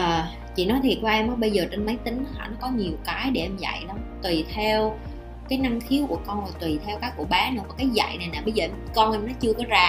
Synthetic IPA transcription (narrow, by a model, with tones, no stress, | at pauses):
ʔəː˨˩˨ | t͡ɕḭ˧˨nɔ˨˦jt̪ʰi˨˩t̚t͡ɕwaː˧ʔɛ˧mʔɔ˨˦ɓə˧jzəː˨˩t͡ɕe˧nmə˨˦jt̪ï˨˦ŋ̟˨˦hʰa̰ː˧˩nɔ˨˦kɔ˨˦ɲi˨˩əwkaː˨˦jɗe˧˩ʔɛ˧mza̰˧˨jnɔ˨˦wt̪wi˨˩t̪ʰɛ˧w | kaː˨˦jna˧ŋxʰi˨˦əwku˧˩əkɔ˧nlaː˨˩t̪wi˨˩t̪ʰɛ˧wkaː˨˦˥kku˧˩əɓaː˨˦nɨ̰˧˥vaː˨˩kaː˨˦jza̰˧˨jna˨˩jnaː˨˩ɓə˧jzəː˨˩ʔɛ˧mkɔ˧nʔɛ˧mnɔ˨˦t͡ɕɨ˧əkɔ˨˦zaː˨˩